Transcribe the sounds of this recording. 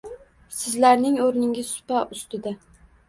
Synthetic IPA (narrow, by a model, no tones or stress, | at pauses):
sɪzlaɾnɪŋoɾnɪŋʲɪzsʊ̥paʔʊst̪ɪd̪a